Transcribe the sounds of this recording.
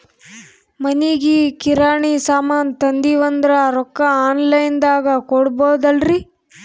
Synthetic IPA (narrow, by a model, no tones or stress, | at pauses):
mɐniɡikiɾaːɳisaːmaːnt̪ɐnd̪iʋɐnd̪ɾɐɾɔkːɐaːnlɐjnd̪aːɡɐkɔɽbɐːd̪ɐlɾi